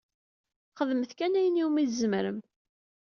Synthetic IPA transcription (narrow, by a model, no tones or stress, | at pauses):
χəðməθkænæjəniwmiθzəmɾəm